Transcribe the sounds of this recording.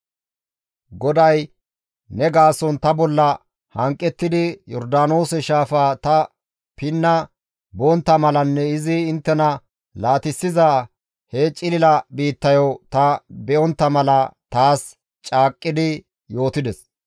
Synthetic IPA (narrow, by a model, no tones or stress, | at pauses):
ɡɔd̪ɐj | nɛɡaːsɔnt̪ɐbɔlːɐ | hɐŋkʼːɛt̪ːɪd̪ɪjɔɾd̪aːno̞ːsɛʃaːfaːt̪ɐ | pɪnːɐ | boɔnt̪ːɐmɐlɐnːɛɪzɪɪnt̪ːɛnɐ | laːt̪ɪsːɪza | het͡ʃʼɪlɪlɐbiːt̪ːɐjot̪ɐbɛʔɔnt̪ːɐmɐlɐt̪aːs | t͡ʃʼaːkʼːɪd̪ɪ | jo̞ːt̪ɪd̪ɛs